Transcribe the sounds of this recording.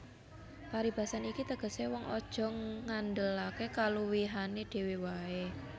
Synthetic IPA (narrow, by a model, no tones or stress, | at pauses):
paɾib̥a̤sanikit̪əɡ̥ə̤sewɔŋɔ̰d̥ʒ̥ɔ̤ŋːand̪əlakekaluwiɦaneɖ̪̥e̤wiwae